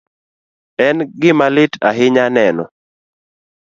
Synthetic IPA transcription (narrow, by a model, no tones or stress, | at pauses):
ɛnɡɪmalɪta̰ɦɪɲanɛnɔ